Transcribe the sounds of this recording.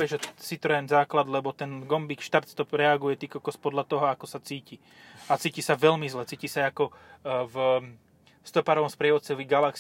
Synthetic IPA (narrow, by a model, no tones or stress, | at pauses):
ɛʒɛsit̪ɾɔɛnzaːklad̪lɛbɔt̪ɛnɡɔmbikʃt̪aɾt̪st̪ɔpɾɛaɡujɛt̪ikɔkɔspɔd̪lat̪ɔɦɔakɔsat͡siːci | at͡siːcisaʋɛlmizlɛt͡siːcisaakɔv | st̪ɔpaːɾɔʋɔmspɾɪɛʋɔt̪t͡sɔʋiɡalaks